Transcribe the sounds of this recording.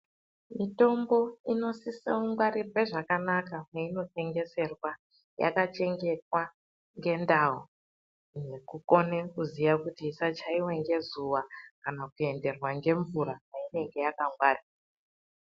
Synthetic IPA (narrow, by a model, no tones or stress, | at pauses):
mito̞mbo̞ino̞siseuŋɡwarirwe̞ʐakanakameino̞te̞ŋɡe̞se̞rwa | ja̰kat͡ʃe̞ŋɡe̞kwa | ŋɡe̞ndaɦo | nekuko̞ne̞kuzijakutiːsat͡ʃaiwe̞ŋɡe̞zuwakanakue̞nde̞rwaŋɡe̞ɱvuɾapaine̞ŋɡe̞jakaŋɡwaːra